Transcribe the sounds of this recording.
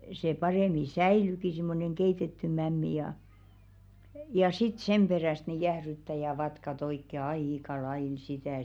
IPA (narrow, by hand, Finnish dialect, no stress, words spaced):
se pɑreˑmi sæiˑlyki simːoneŋ keitetːy mæmːi jɑ jɑ sit sem b̥eræˑst ni jæhrytːæ jɑ ʋɑtkɑt oikːe ɑikɑ lɑiˑl sitæˑ